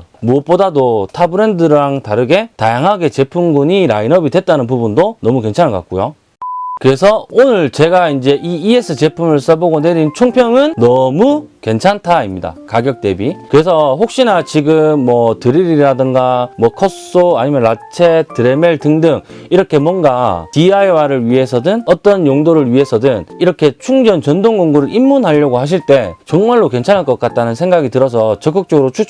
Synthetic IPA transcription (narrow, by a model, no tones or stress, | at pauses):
muʌp̚p͈odadotʰabɯɾe̞ndɯɾaŋtaɾɯɡe̞tajaŋɦaɡe̞t͡ɕe̞pʰumɡuɲiɾa̰inʌbidwe̞t̚t͈anɯnp̬ubundonʌmuke̞nt͡ɕʰanka̰k͈ujo | kɯɾe̞sʰʌonɯɭt͡ɕe̞ɡaind͡ʑe̞ʔiːes͈ʰɯt͡ɕe̞pʰumɯɭs͈ʌboɡone̞ɾint͡ɕʰoŋpʰjʌŋɯnːʌmu | ke̞nt͡ɕʰantʰaimɲida̰kaɡjʌk̚t͈e̞bikɯɾe̞s̬ʰʌɸok̚ɕ͈inat͡ɕiɡɯmːʌtɯɾiɾiɾadɯŋɡamwʌkʰʌs͈oaɲimjʌnat͡ɕʰe̞tɯɾe̞meɭtɯŋdɯŋiɾʌkʰe̞mwʌnɡatiaiwaɾɯɭɥiɦe̞sʰʌdɯnʌt͈ʌnjoŋdoɾɯɭɥiɦe̞sʰʌdɯniɾʌkʰe̞t͡ɕʰuŋd͡ʑʌnt͡ɕʌndoŋɡoŋɡuɾɯɾʔimːunɦaʎːʌɡoɦhaɕ̬ʰiɭt͈e̞t͡ɕʌŋmaɭːoke̞nt͡ɕʰanɦaɭk͈ʌk͈at̚t͈anɯnsʰeŋɡaɡitɯɾʌs̬ʰʌt͡ɕʌk͈ɯk̚t͡ɕ͈ʌɡɯɾot͡ɕʰu